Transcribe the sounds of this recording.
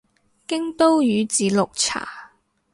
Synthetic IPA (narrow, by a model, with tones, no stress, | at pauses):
kɪ˥ŋt̪o˥wjyː˨˧˦t͡siː˨˥lʊ˨k̚t͡sʰa̰ː˨˩